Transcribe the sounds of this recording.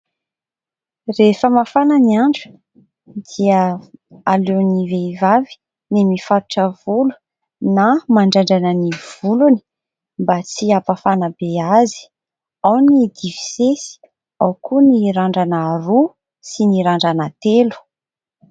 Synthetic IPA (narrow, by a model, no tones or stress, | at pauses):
refəmafanəniaɳɖ͡ʐə̥ | d̪̥iəaleniveivavi̥ | nemifat̪u̥ʈ͡ʂəvulu̥ | namaɳɖ͡ʐaɳɖ͡ʐanəniv̥uluni̥ | mbat͡siapafanəbeazi̥ | awnid̪ivi̥sesi̥ | awkuniɾaɳɖ͡ʐanaɾu | siniɾaɳɖ͡ʐanat̪elu̥